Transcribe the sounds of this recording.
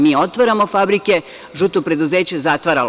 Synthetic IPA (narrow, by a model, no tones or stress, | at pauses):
miːo̞t̪ʋaɾamo̞fabɾike̞ | ʒut̪opɾe̞d̪uze̞ːt͡ɕezat̪ʋaɾal